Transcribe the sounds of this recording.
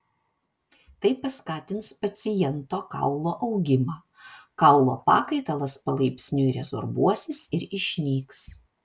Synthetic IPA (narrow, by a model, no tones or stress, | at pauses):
t̪ɐɪpɐskɑːt̪ʲɪnspɐt̪sʲɪjɛnt̪oːkɐ̰ʊlˠoːʔɐʊɡʲɪmɑː | kɐʊlˠoːpɑ̰ːkɐɪt̪ɐlˠɐspɐlˠɐɪpʲsʲnʲʊiɾʲɛzo̰ɾbuɔsʲɪsɪɾɪʃʲnʲiːks